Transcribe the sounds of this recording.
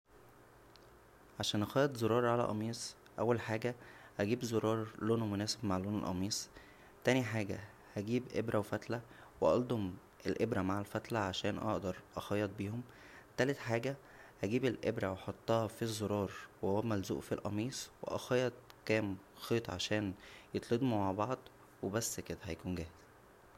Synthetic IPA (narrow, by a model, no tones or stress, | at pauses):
ʕaʃæːnʔɑxɑjːɑt̪zoɾˤɑːɾˤʕalæ̰ʔɑmiːsˤ | ʔæwːælħaːɡæʔæɡiːbzoɾˤɑːɾˤloːnmonæːsebmaʕlːoːnḛlʔɑ̰miːsˤ | t̪æːniħaːɡæ̰ | hæɡiːbʔḛbɾæwfæt̪læweʔɑld̪ˤom | ʔelʔebɾæmaʕalfæt̪læʕaʃæːnʔɑ̰ʔd̪ɑɾˤʔɑxɑjːɑt̪̚biːhom | t̪æːlet̪ħaːɡæ | hæɡiːbelʔebɾæweħot̪ˤːɑːhɑfizˤːoɾˤɑːɾˤwehowæmælzṵːʔfilʔɑ̰miːsˤwḛʔɑ̰xɑjːɑt̪̚kæːm | xeːt̪ˤʕa̰ʃæːnjet̪ˤled̪ˤmumaʕbɑʕd̪ˤ | webæsːked̪æhæjækuːnɡæːhez̥